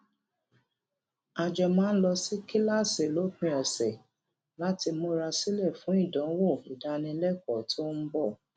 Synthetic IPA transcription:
a˧d͡ʒɛ˧mãː˦n̩˦lɔ˧si˦ki˦la˦˨se˨lo˨˦k͡pĩ˧˦ɔ˨sɛ˨ | la˦ti˧mo˧ɾa˧si˦lɛ˦˨fũ˨˦i˦˨dã˨˦wo˦˨i˨da˧nĩ˧˦lɛ˦˨kɔ˨tʰo˦n̩˦bɔ˦˨

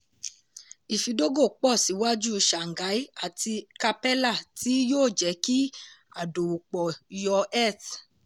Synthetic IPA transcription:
i˨fi˨˧do˦ɡo˦˨k͡pɔ˦˨si˨˦wa˦d͡ʒu˦˧ʃa˨ŋ̩˨ɡa˨˦i˦a˦˨ti˧ka˧pɛ˦la˦˨ti˨˦joː˦˨d͡ʒɛ˨˦ki˦a˦˨do˨wu˨k͡pɔ˨jɔ˧ɛ˦˨t

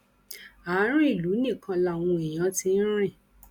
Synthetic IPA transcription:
aː˨˦ɾ̃ĩ˦i˦˨lu˨˦nĩ˦˨kʰã˧la˧˨w̃ũ˧i˨j̃ã˨˦ti˧n̩˦ɾ̃ĩ˦˨

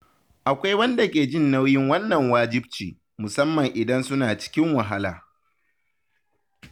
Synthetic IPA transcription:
ʔa˨kʷa˦jwɐ˦nda˨kʲeː˨d͡ʒɪ˦nːa˦wjɪ˦ŋwɐ˦nːɐ˨ŋwaː˦d͡ʒɪ˦b̚t͡ʃiː˨ | mʊ˨sɐ˦mːɐ˨ŋʔɪ˨dɐ˦nsʊ˦naː˨t͡ʃɪ̥˦kʲɪ˦ŋwɐ˨ɦa˦laː˨

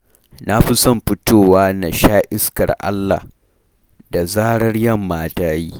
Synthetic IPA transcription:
na˦ɸi˦sɔ˦˨mɸɪ˦toː˦˨waː˦na˨ʃaː˦ʔɪ˦skɐ̰˨rʔa̰˦lːa̰˨ | da˨zaː˦ɽɐ˦rjɐ˦˨mːaː˦taː˦jiː˦

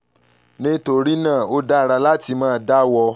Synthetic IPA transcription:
nĩ˦to˧ɾi˦nã˦˨o˦da˦˨ɾa˧la˦ti˧mã˦˨da˦wɔ˧

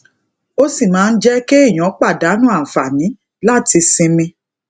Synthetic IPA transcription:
o˦si˦˨mãː˨˦n̩˦d͡ʒɛ˦ke˦i˦˨j̃ɔ̃˨˦k͡pa˦˨da˨˦nũ˦a˦˨fa˨nĩ˨˦ | la˦˨ti˧sĩ˧mĩ˧

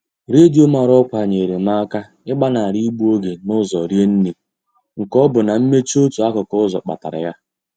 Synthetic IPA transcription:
ɾe˦d͡ʒi˦ʊ˦ma˨ɾɔ˦kʷa˨ɲe˨ɾe˨ma˦a˦ka˦ | ɪ˦ɡ͡ba˦na˨ɾi˦ɡ͡bu˦o˦ɡe˨nʊ˦zɔ˨ɾje˦n̩˦ni˨ | ŋ̩˨kɔ˦bʊ˨na˨m̩˦me˦t͡ʃi˦o˦tu˨a˦kʊ˨kɔ˦zɔ̰˨k͡pa̰˨ta̰˨ɾa̰˨ja˦

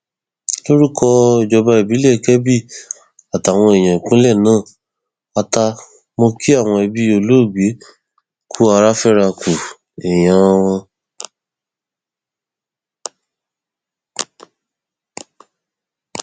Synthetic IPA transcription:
lo˦ɾi˦kʰɔ˧i˧d͡ʒɔ˧ba˧i˨bi˨˦lɛ˦˨kɛ˦bi˦˨ | a˨ta˨w̃ɔ̃˧e˨j̃ã˨ĩ˨kũ˨˦lɛ˦˨nãː˦˨ | a˧ta˧ | mo˧ki˦a˦˨w̃ɔ̃˧i˧bi˧˦o˧lo˦˨ɡ͡be˨˦ | kʰu˦a˧ɾa˦fɛ˦˨ɾa˧kʰu˨ | e˨j̃ã˨˧˦w̃ɔ̃˧

